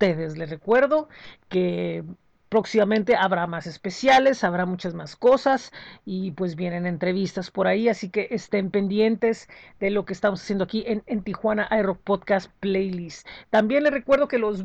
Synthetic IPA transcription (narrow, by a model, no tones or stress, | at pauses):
t̪eðezle̞re̞kwe̞ɾðo̞ke̞ | pɾo̞ksimamẽnt̪e̞aβɾamase̞spe̞sjale̞saβɾamut͡ʃazmasko̞sasipwe̞zβje̞ne̞ne̞nt̪ɾe̞β̞ist̪aspo̞ɾaiasike̞ʔest̪e̞mpe̞nd̪je̞nt̪e̞zðe̞lo̞keːst̪amosasjend̪oakiʔe̞nent̪ixwanaʔajrok̚poðkast̪̚plejlist̪t̪ːambje̞nle̞re̞kwe̞ɾð̞okelo̞z